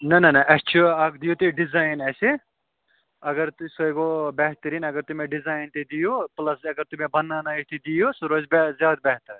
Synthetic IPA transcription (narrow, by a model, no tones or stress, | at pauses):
nɐnɐnɐʔɐst͡ʃʰuɐkd̪ijut̪iɖizaːjnese | ɐɡɐɾt̪usojɡobɛɦt̪ɐɾinɐɡɐɾt̪umẽɖizaːjnt̪id̪ijuplɐsɐɡɐɾt̪umẽbɐnːanaist̪id̪ijusuɾoːzbzjaːd̪̚bɛɦt̪ɐɾ